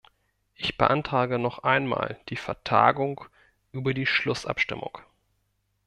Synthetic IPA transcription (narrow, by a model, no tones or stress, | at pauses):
ʔɪçb̥əʔantʁ̥aːɡənɔχʔaɪnma̰ːld̥iːfɛɐtʰa̰ːɡʊŋk | ʔyːbɐdiːʃlʊsʔa̰pʃtɪmʊ̰ŋk